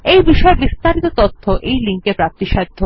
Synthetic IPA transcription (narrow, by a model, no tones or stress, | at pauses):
ejbiʃɔebist̪aɾit̪ot̪ot̪ʰːoʔejliŋkepɾap̚t̪iʃad̪ʱːo